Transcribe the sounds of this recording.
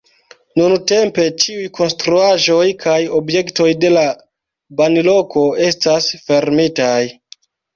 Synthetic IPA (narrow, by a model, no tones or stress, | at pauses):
nunte̞mpe̞t͡ʃiujkʰo̞nstɾuaʒo̞jkʰajo̞bje̞kto̞jde̞la | banilo̞ko̞e̞stasfe̞ɾmitaj